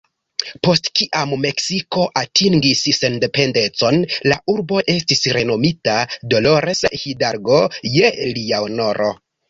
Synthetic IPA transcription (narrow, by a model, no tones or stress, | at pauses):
po̞stkiʔamme̞ksiko̞ʔatiŋɡisse̞nde̞pe̞nde̞t͡so̞nlaʔuɾbo̞ʔe̞stisɾe̞no̞mitado̞lo̞ɾeshidaɾɡo̞jeliaono̞ɾʔo̞̰